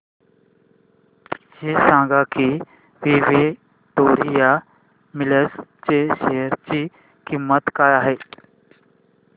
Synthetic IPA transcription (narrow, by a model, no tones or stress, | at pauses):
ɕesãŋɡaki | ʋiʋe | ʈoɾija | miləst͡ɕeɕeɦəɾt͡ɕiː | kimːət̪kajaɦe